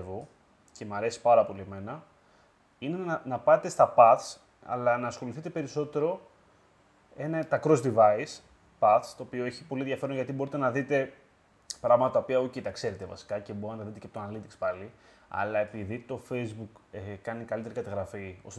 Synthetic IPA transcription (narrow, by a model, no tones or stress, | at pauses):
vo | ce̞mɐɾe̞si̥pɐɾɐpo̞lieme̞nɐ | ine̞nnɐpɐt̪e̞st̪ɐpɐθs | ɐ̰lɐnɐːsxo̞liθit̪e̞pe̞ɾiso̞t̪e̞ɾo̞ | e̞nɐt̪ɐkɾo̞zd̪ivɐis | pɐθst̪o̞ːpio̞e̞çipolienðʝɐfe̞ɾonʝɐt̪ibo̞ɾit̪e̞nɐðit̪e̞ | pɾɐɣmɐt̪ɐt̪ɐopiɐocet̪ɐkse̞ɾe̞t̪evɐ̰si̥kɐce̞boɾɐnnɐðit̪eceɐpot̪onɐlit̪ikspɐli | ɐ̰lɐe̞piðit̪o̞fe̞jzbukekɐnikɐlit̪e̞ɾikɐt̪ɐɣɾɐfiːos